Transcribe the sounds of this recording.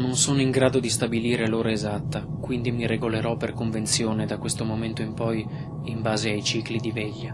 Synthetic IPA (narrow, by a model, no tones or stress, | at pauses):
nonsoːnoiŋɡɾaːd̪od̪ist̪abiliːɾeloːɾaezat̪ːakwind̪imiɾeɡoleɾɔpːerkoɱvent̪sjoːned̪akwest̪omoment̪oimpɔj | imbaːzeajt͡ʃiːklid̪ivɛʎːa